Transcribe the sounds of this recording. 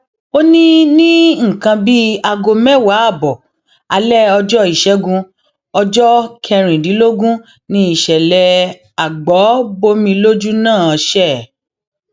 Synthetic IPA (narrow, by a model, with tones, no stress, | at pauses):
o˦nĩ˦nĩ˦ŋ̩̃˨kã˧bi˦a˧ɡo˧mɛ˦wa˨˦a˦˨bɔ˨ | a˧lɛ˦ɔ˧d͡ʒɔ˦i˦˨ʃɛ˦ɡũ˧ | ɔ˧d͡ʒɔ˦kʰɛ˧ɾ̃ĩ˨di˨˦lo˦ɡũ˦ | nĩ˦i˦˨ʃɛ˨lɛ˧ | a˨ɡ͡bɔ˨˦bo˦mĩ˧lo˦d͡ʒu˦nãː˦˨ɔ˧ʃɛ˦˨